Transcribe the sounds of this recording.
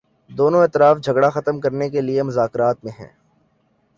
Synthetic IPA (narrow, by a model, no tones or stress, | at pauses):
d̪oːnõeːt̪ɪɾaːfd͡ʒʱɐɡɽaxɐt̪əmkɐɾnek̬eliemʊzaːkɾaːt̪mẽɦɛ̰̃ː